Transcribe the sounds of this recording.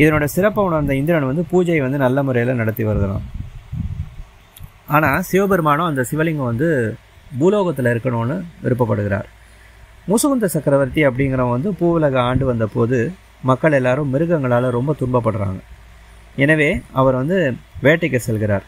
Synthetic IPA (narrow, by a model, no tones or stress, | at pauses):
ɪðɐnoːɽɐsɪɾɐpːɐʊnɐɾnd̪ɐɪnd̪ɪɾɐnʋɐnd̪ɯpuːd͡ʒɐɪʋɐnd̪ɯnɐlːɐmʊɾɐjɪlɐnɐɽɐt̪ːiʋɐɾɯðɯlã̰ː | aːnaːsɪʋɐbɛɾɯmaːnʊ̃ɐnd̪ɐsɪʋɐlɪŋɡɯ̃ʋɐnd̪ɯ | buːloːɣɐt̪ːɪlɐɪɾɯkːɐɳõːnːɯʋɪ̰ɾɯp̬ːɐpːɐɽɯɣɪɾa̰ːɾ | musɐɣɯnd̪ɐsɐkɾɐʋɐɾt̪iɐp̬ːɐɽɪŋɡɪɾɐ̃ʋɐnd̪ɯpuːʋɯlɐɣɐaːɳɖɯʋɐnd̪ɐpoːðɯ | mɐkːɐɭɛlːaːɾɯ̃mmɪɾɯɣɐŋɡɐɭaːlɐɾɔmbɐt̪ʊɳbɐpːɐɽɯɾa̰ːŋɡɐ | ɛnɐʋeːɐʋɐɾʋɐnd̪ɯʋeːʈːɛɪkːɯsɛlɣɪɾa̰ːɾ